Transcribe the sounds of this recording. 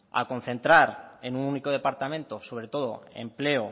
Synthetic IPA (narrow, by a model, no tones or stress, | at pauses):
a̰ko̞n̟θe̞nt̪ɾaɾe̞nununiko̞ðe̞paɾt̪amẽ̞nt̪o̞so̞βɾe̞t̪o̞ð̞o̞̰e̞̰mple̞o